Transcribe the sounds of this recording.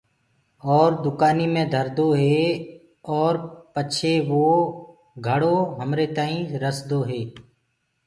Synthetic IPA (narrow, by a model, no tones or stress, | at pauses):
ɔːɾd̪ʊkaːniːmẽd̪ʱəɾd̪oːɦeː | ɔːɾpət͡ʃʃʰeʋoː | ɡʱəɽoːɦəmɾet̪əĩːɾəsd̪oːɦeː